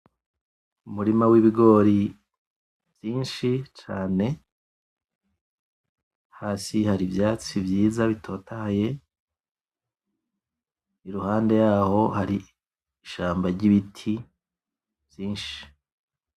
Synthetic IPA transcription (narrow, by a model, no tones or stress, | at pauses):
umuɾimawiβiɡo̞ːɾi | vjiːnʃit͡ʃaːne̞ | haːsihaɾiβjaːt͡sivjiːzaβitʰo̞ːtahaje̞ | iɾuhaːnde̞jaːho̞haɾiː | ʃaːmbaɾɟiβitʰi | v̥jiːnʃi̥